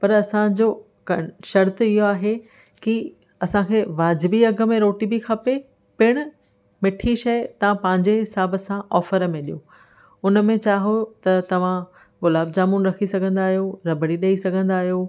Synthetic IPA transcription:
pɐɾɐsãd͡ʑoː | kɐʃɐɾt̪ɪɦoaːɦe | ki | ɐsãkʰeːʋaːd͡ʑɪbiɐɡə̆mẽɾoːʈibikʰɐpe | pɪɽ̃ʊ̆ | mɪʈʰiʃɐjt̪ɐʋ̤ãpɐ̃ɦɪ̃ɲd͡ʑeɦɪsaːbəsãʔɔːfəɾmẽɗijo | ʊnə̆mẽt͡ɕaːɦot̪ɐt̪ɐʋ̤ã | ɣʊlaːb̚d͡ʑaːmunɾɐkʰisɐɡʱə̃nd̪aːɦijoɾɐbʱəɽiɗɐisɐɡʱə̃nd̪aːɦijoː

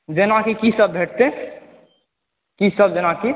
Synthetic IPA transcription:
d͡ʒenakikisəbbʱeʈ̚t̪e | kisəb̚d͡ʒənaki

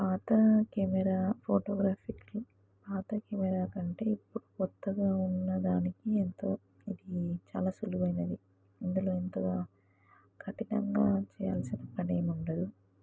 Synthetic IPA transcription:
paːt̪ɐkɛmɛɾaːpʰoːʈɔːɡɾaːpiklu | paːt̪ɐkɛmɛɾaːkɐɳʈe̞ːipːuɽukɔt̪ːɐɡaːunːɐd̪aːnikient̪oː | id̪it͡ʃa̰ːlaːsuluɐjnɐd̪i | ind̪ulo̞ːent̪ɐɡaː | kʰɐʈinɐ̰ŋɡaːt͡ʃɛːja̰ːlsinɐpːɐneːmuɳɖɐd̪u

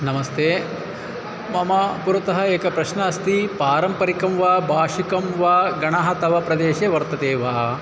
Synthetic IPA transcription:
nɐmɐst̪ʰeː | mɐmɐpuɾɐt̪ɐɦɐeːkɐpɾɐʃnɐɐst̪ipaːɾɐmpɐɾikɐmʋaːbʱaːʂikɐmʋaːɡɐɳaːɦɐt̪ɐʋɐpɾɐd̪eːʃeʋɐɾt̪ɐd̪eːʋaː

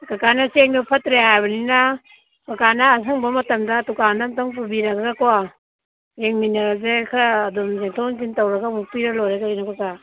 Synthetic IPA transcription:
kakanaseŋdupʰɐtɾehajbɐnina | kakanaːs̬aŋbɐmɐtɐmdatukandamtaŋp̬ubiɾakaɡakɔwa | ɾeŋminazekʰɾaːdɔmzeŋtʰawŋzintawɾɐɡamupiɾɐlɔjɾeɡaɾinakɔka

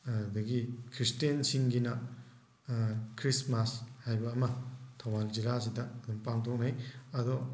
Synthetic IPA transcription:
dɐɡikʰɾistiensiŋɡinɐ | kʰɾismashajbɐːmɐtʰawald͡ʒilas̬idɐːdumpaŋtʰok̚najɐd̪ɔ

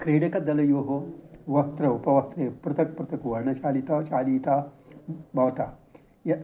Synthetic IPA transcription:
kɾeːɽekɐd̪ɐlɐjoːɦoʋɐht̪ɾɐupɐʋɐt̪ɾepɾɐt̪ʰɐk̚pɾɐt̪ɐkʋɐɾɳɐt͡ʃaːlit̪aːt͡ʃaːlit̪aː | bɐʋt̪a | jɐ

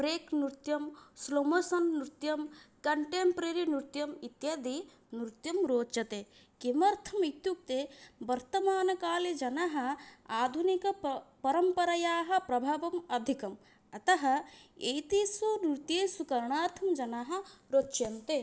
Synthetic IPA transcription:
pɾeːknɾt̪jɐmslomosɐnːɾut̪jɐmkɐɳʈeːmpɾeɾinuɾt̪jɐmit̪jɐd̪i | nɾt̪jɐmɾoːt͡ʃɐt̪e | kemɐɾt̪ʰɐmit̪juk̚t̪eʋɐɾt̪ɐmaːnɐkaːled͡ʒɐnɐɦɐ̆aːd̪ʱunikɐpɐɾɐmpɐɾɐjaːɦɐ̆pɾɐbʱaːʋɐmɐd̪ʱikɐm | ɐt̪ɐɦɐ̆ejt̪isunit̪jeːsukɐɾɳaːɾt̪ʰɐmd͡ʒɐnaɦɐ̆ɾoːtːʃjɐnt̪e

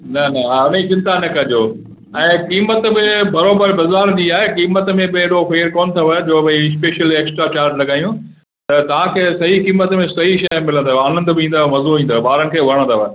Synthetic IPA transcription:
nɐnɐaʊnid͡ʑɪ̃nt̪anɐkɐd͡ʑoː | ɛ̃ːkiːmət̪bɪbɐɾoːbəɾbɐzaːɾd͡ʑiːaːɦekiːmət̪mẽbɪeɽofeːɾkɔːnt̪ʰoʋed͡ʑoːbɐɪs̬peːʃəleːksʈɾat͡ɕaːɾʈlɐɡaːijũ | t̪ɐt̪ɐʋ̤ãkʰeːsɐɦikiːmət̪mẽsɐɦiʃɐmɪlə̃nd̪aaːnə̃nd̪bɪĩːnd̪amɐzoĩːnd̪aːbaːɾənɪkʰeːʋɐɾəɽ̃d̪aʋ

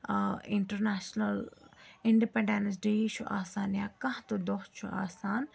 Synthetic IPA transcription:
ɪɳʈəɾnaːʃnɐlɪɳɖipẽɳɖensɖiit͡ʃʰuʔaːsaːnjakɐ̃t̪od̪oːt̪t͡ʃʰṵa̰ːsaːn

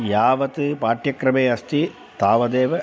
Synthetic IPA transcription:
jaːʋɐt̪ɯpaːʈjɐkɾɐmeːɐst̪i | t̪aːʋɐd̪eːʋɐ

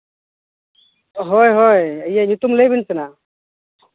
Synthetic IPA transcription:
ɦɔjɦɔjəjaɲut̪umləjbinsɛna

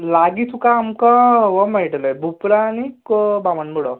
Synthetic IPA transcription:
laɡit̪ʰukaːmkɔʋɔmaʈləjbʱupɾaːñikobamənmuɽɔ

